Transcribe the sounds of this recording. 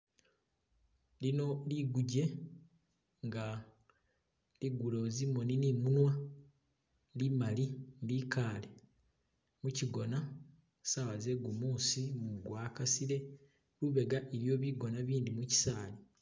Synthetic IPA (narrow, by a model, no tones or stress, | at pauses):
lino̞liɡuɟe̞ | ŋɡa | liɡulo̞zimoninimunwa | ndimalindikaːle | muciɡo̞na | sawazeɡumuːsimuɡwaːkasiɾe̞ | luβe̞ɡaʔeβjo̞ːβiɡo̞naβiːnd̪imuci̥saːli